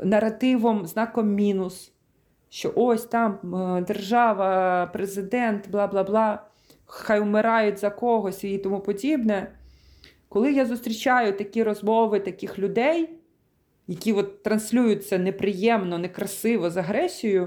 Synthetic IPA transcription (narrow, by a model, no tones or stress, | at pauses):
nɐrɐt̪ɪʋɔmznɑkɔmːʲinʊs | ʃt͡ʃɔʔɔsʲt̪ɑmd̪erʒɑʋɐpɾezɪd̪ɛnt̪blˠɑblˠɑblˠɑ | xɑjʊmɪɾɑjʊtʲzɐkɔɦɔsʲit̪ɔmupɔdʲibnɛ | kɔlˠɪjazʊst̪ɾʲit͡ʃɑjʊt̪ɐkʲiɾɔzmɔʋɪt̪ɐkʲɪxlʲʊd̪ɛj | jɐkʲiʋɔt̪ːɾɐnsʲlʲujʊt͡sʲːɐnepɾɪjɛmnɔnɛkɾɐsɪʋɔzɐɦɾɛsʲijʊ